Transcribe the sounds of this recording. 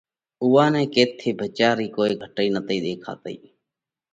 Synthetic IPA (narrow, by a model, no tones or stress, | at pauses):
ʊʋãːnɛ̃ːkeːt̪ʰːeːbʱət͡ʃaːɾiːkoːiːɡʱəʈəiːnət̪iːd̪eːkʰa̰ːt̪əḭː